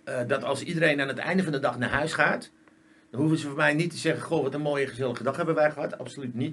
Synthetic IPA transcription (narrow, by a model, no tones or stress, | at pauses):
ədɔtɑlˠsidəɾejnanətɛ̰jndəfɔndədɑxnaɦœɥsχaːt | dɔnɦuvəsəfomɛjnitʰəsɛɣəχoːʋɔtənmoːjəχəzɪlˠəχədɔxhɛbʋəʋɛrχəɦɔta̰psolytnit